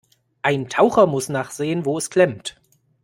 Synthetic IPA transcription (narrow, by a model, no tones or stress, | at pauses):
ʔaɪntʰaʊxɐmʊsnaːχz̥eːənvoːɛskl̥ɛmt